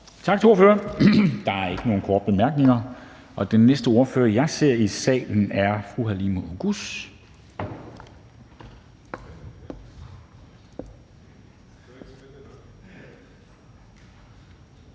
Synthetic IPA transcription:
t͡sʰɑ̈ɡ̥t͡sʰe̝o̝ɐføɐnd̥ɑ̈æɐe̝ɡ̥əno̝ːn̩kʰɒ̰ːd̥əb̥e̝mæɐɡ̥ne̝ŋɐ | ʔɒ̽d̥enːesd̥əo̝ɐføːɐjɑ̈ɪse̝ɐ̰isɛ̰ːln̩æɐfʁuɦælimo̝ʔoɡ̥us

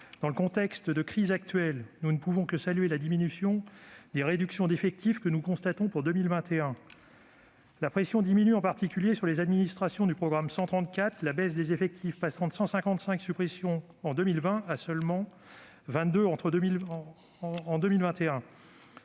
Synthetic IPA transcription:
d̪̥ɑ̃ləkɔ̃t̪ɛkst̪d̪əkχizak̚t̪ɥɛlnunəpuvɔ̃kəsalyelad̪iminysjɔ̃d̪eʁed̪yksjɔ̃d̪efɛk̚t̪ifkənukɔ̃st̪at̪ɔ̃puʁd̪ømilvɛ̃t̪eɛ̃ | lapχesjɔ̃d̪iminyɑ̃paʁt̪ikʲyljesyʁlezad̪minist̪χasjɔ̃d̪ypχɔɡʁamsɑ̃t̪χɑ̃t̪kʲat̪χlabɛsd̪ezefɛk̚t̪ʰifpasɑ̃t̪ə̥sɑ̃sɛ̃kɑ̃t̪sɛ̃ksypχesjɔ̃ | ɑ̃d̪ømilvɛ̃asœlmɑ̃ | vɛ̃t̪d̪øɑ̃t̪χəd̪milː | d̪ømilvɛ̃t̪eɛ̃

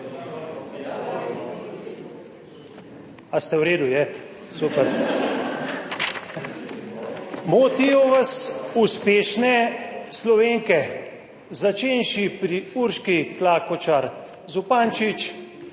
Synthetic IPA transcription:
ast̪ɛwɾeːd̪ujɛ | supɛɾ | moːt̪ijɔʋasuspeːʃnɛslɔʋeːŋkɛ | zat͡ʃeːnʃipɾiuɾʃkiklaːkɔt͡ʃaɾ | zupaːnt͡ʃit͡ʃ

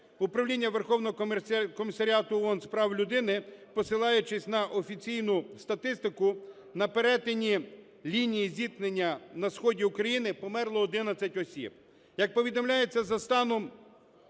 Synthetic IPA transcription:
upɾɐwlʲinʲːɐʋerxɔwnɔɔkɔmʲisːɐɾʲɑt̪ʊɔnspɾɑwlʲʊd̪ɪnɪpɔsɪlˠɑjʊt͡ʃɪsʲnɐʔɔfʲit͡sʲijnʊst̪ɐt̪ɪst̪ɪkʊ | nɐpeɾɛt̪enʲi | lʲinʲijizʲit̪nenʲːɐnɐsxɔdʲiʊkɾɐjinɪpɔmɛrlˠɔːd̪ɪnɐt͡sʲɐtʲɔsʲḭb̚ | jɐk̚pɔʋʲid̪ɔmlʲaje̞t͡sʲːɐzɐst̪ɑnɔm

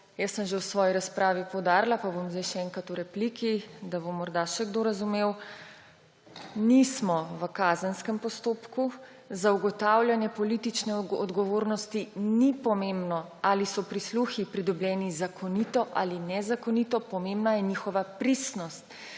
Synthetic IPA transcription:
jəsːəmʒewsʋɔːjiɾaspɾaːʋipɔwd̪aːɾlapabomzd̪ajʃɛɛːŋkat̪uɾɛplikid̪abomɔɾd̪aʃɛɡd̪oɾazumew | nismɔʋəkaːzənskɛmpɔst̪oːpku | zauɡɔt̪aːwlʲjanjɛpɔlit̪it͡ʃnɛɔd̪ɡɔʋoɾnɔst̪inipɔmembnɔalisɔpɾisluxipɾid̪ɔblʲjɛːnizakʰɔnit̪ɔʔa̰linɛzakɔnit̪ɔpɔmembnajɛnixɔʋapɾisnɔst̪

